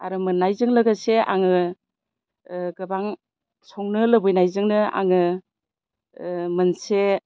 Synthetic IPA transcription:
aɾɯmɯnːajzɯŋlɯɡaseʔa̰ŋɯ | ɡɯbaŋ | sɔŋnɯlɯbɯjnajzɯŋnɯa̰ŋɯ | mɯnse

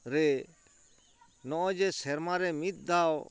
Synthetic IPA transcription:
ɾɛ | nɔ̃ʔɔ̃d͡ʒɛsɛɾmaɾɛmit̪̚ˀd̪aw

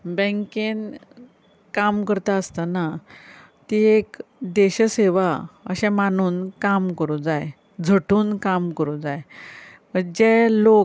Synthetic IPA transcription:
bɛ̃ŋken | kamkəɾt̪aəst̪ana | t̪iekd̪eɕəseʋaə̰ɕɛ̃manuːnkamkəɾud͡zaj | d͡zʱəʈuːnkamkəɾud͡zaj | məd͡ʑelo

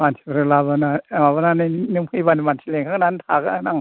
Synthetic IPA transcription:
mansʰi̥bɾɯlabanaabananɯjnɯmkʰɯjbanimansʰileŋkʰaŋnantʰakanaŋ

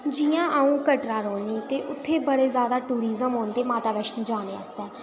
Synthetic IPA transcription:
d͡ʒiːjãːʔaũːkəʈɾãːɾoːɳniːt̪eːʔʊt̪ʰːeːbəɽeːzjaːd̪aːʈuːɾiːzəmɦoːnd̪eːmaːt̪aːʋəʃnːd͡ʒaːneːa̰st̪ɛː

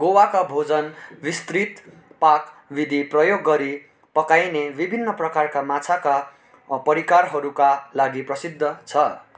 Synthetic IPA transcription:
ɡowakabʱod͡zʌnbist̪rit̪ | pakbid̪ʱiprʌjoɡːʌɾi | pʌkajnebibʱinːʌprʌkarkamat͡sʰaka | pʌɾikarɦʌɾukalaɡiprʌsid̪ʱːʌt͡sʰʌ

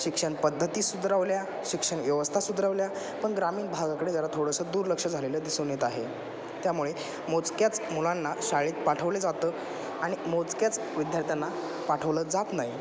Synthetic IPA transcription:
ɕikʂəɳpəd̪ʱːət̪iːsud̪ɾaʋlja | ɕikʂəɳʋjəʋəst̪ʰasud̪ɾaʋlja | pəɳɡɾamiːnbʱaɡakəɽed͡ʑjalat̪ʰoɽəsəːd̪uːɾləkʂəd͡zʱaleləːd̪isənet̪aɦe | t̪jamuɭe | mot͡skjat͡smulanːaɕaɭiːt̪paʈʰəʋled͡zat̪əː | aɽ̃imot͡skjat͡s | ʋid̪jaɾt̪ʰjanːa | paʈʰəʋləd͡zat̪nai

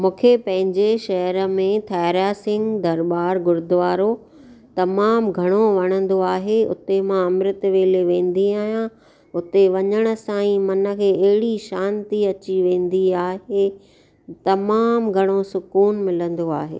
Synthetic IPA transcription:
mũːkʰepɐ̃ɦɪ̃ɲd͡ʑeʃɐɦɾmẽt̪ʰɛːɾaːsɪ̃ŋɡd̪ɐɾbaːɾɡʊɾd̪ʋaːɾo | t̪ɐmaːmɡʱɐɽ̃oʋɐɽ̃ə̃nd̪oaːɦeʊ̰t̪emãɐmɾɪt̪ʋeːleʋẽːn̆d̪iaːɦijã | ʊt̪eʋɐɲəɽ̃ə̆sãːĩmɐnə̆kʰeːɐɦɪɽiʃãːnt̪iɐt͡ɕiʋẽːn̆d̪iaːɦe | t̪ɐmaːmɡʱɐɽ̃osʊkuːnmɪlə̃nd̪oaːɦḛː

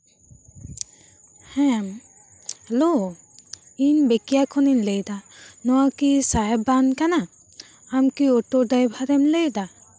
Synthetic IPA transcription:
hɛm | hɛlo | inbekijakʰɔninlejdanɔwakisajɛbankanaː | mkiɔtɔdajbʱaɾɛmlejda

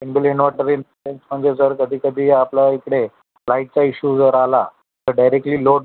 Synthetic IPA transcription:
enbiliɳʋaʈəɾin | ensm̤əɳd͡ʑesəɾkəd̪ʱiːkəd̪ʱiːaplaikɽe | laiʈ̚t͡saiɕud͡zəɾala | t̪əɾɖajɾek̚ʈliːloɽ

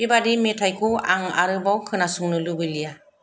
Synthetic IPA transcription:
ibadimetʰajkʰuaŋa̰ɾɯbawkʰɯnasuŋnɯlubɯlija

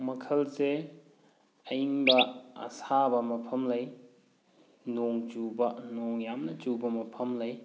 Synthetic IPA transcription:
mɐkʰɐlse | ɐiŋbɐɐ̰sabɐmɐpʰɐmlɐj | noŋt͡ʃubɐnoŋjamnɐt͡ʃubɐmɐpʰɐmlɐj

